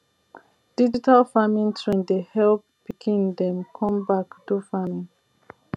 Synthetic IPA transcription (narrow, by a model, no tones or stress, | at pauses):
d̥id͡ʒitalfamĩntʰɹɛ̃ndehɛlp̚pikʰĩndɛ̃mkʰɔ̃mbakdufamĩn